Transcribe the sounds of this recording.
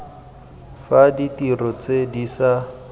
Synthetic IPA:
faditirɔt͡sʼedisa

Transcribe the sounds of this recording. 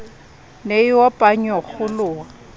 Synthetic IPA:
neiwɔpʼaɲɔk͡xʊlʊːa

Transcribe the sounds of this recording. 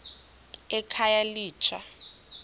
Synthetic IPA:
ɛkʰajaliːt͡ʃʰa

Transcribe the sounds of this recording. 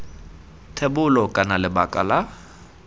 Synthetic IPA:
tʰebʊlɔkʼanalɪbakʼa̰la

